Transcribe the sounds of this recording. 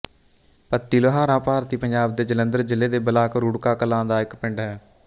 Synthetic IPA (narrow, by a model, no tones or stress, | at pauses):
pət̪ːiːloɦãːɾãːpaːɾt̪iːpəɲd͡ʒaːb̚d̪eːd͡ʒələnd̪əɾd͡ʒɪleːd̪eːbəlaːkɾuːɽkaːkəlãːd̪aːɪkpɪɳɖɦɛː